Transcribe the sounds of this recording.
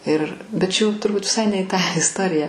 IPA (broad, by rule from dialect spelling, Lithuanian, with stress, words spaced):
ɪr bʲɛt t͡ʃʲɛ jɛʊ tʊrˈbʊt ʋʲɪˈsɐɪ nʲɛ ɪ tɑː ɪsˈtoːrʲɪjɛ